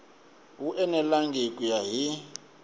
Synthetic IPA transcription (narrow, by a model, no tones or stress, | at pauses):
ɦuʔɛnɛlaŋɡʱikʼujaɦi